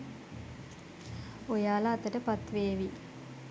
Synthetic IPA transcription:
ojaːlaːt̪ːəʈəpat̪ʋeːʋi

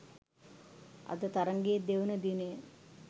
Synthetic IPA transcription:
a̰d̪ət̪aɾəŋɡejːd̪eʋunəd̪inəjə

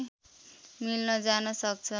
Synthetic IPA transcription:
milnʌd͡zanʌsʌk̚t͡sʰʌ

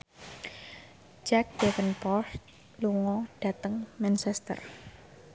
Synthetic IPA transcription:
d͡ʒɛk̚d̥ɛfənpɔst̪̚ | luŋɔɖ̥a̤t̪əŋmɛnsɛst̪ə̰r

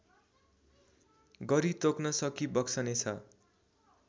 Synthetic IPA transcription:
ɡʌɾit̪oknʌsʌkibʌksʌnet͡sʰʌ

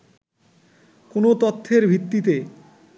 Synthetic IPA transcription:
konot̪ot̪ʰːeɾbʱit̪ːit̪e

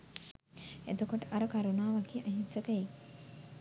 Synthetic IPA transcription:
et̪ukoʈəʔɐɾəkaɾunaːʋakiːʔaɦisəkəje

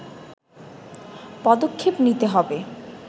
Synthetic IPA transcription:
pɔd̪okʰːepnit̪eɦɔbe

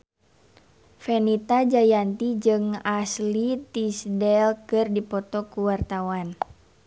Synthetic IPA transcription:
fɛnit̪ad͡ʒajant̪id͡ʒɨŋaslit̪isdɛlkɨrdipɔt̪ɔkuwart̪awan

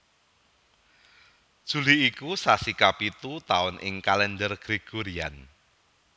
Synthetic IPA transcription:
d̥ʒ̥ṳliːkusasikapit̪ut̪aʊnʔɪ̰ŋkalɛndərɡ̥ɾeɡ̥oɾian

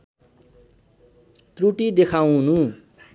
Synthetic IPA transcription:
t̪ruʈid̪ekʰaw̃nu

